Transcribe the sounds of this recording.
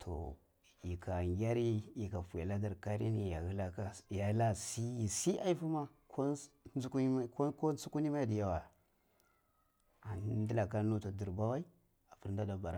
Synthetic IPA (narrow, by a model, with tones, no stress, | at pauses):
tʰo̰˨ | i˨kʰa˨ŋɡʲa˦ɾi˦i˨ka˨fu˨ja˨la˦da˨ɾka˦ɾi˦ni˨ja˨hi˦la˦ka˦ja˨˦la˦si˦ji˨si˦ʔa˦i˦fu˦ma˦ | kʰo˦u˦kkko˦su˦ku˦ni˦ma˦i˨di˨ja˦wa˨ | a˨n˦n˦di˦la˨ka˦nu˦ta˨di˨ɾba˦wa˦i˦ | a˨fu˦ɾn˦da˦da˨ba˨ɾa˦